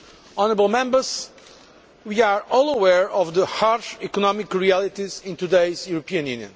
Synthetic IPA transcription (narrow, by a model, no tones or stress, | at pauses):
ɔnəɾəblˠmɛ̃mbəz | wiaɹɔlˠəwɛɹɔvðəhaɹʃikɔnɔmikɹiælˠit̪izĩnt̪ud̪eɪzjuɾɔpiɨ̃njʉ̰njɨ̰̃n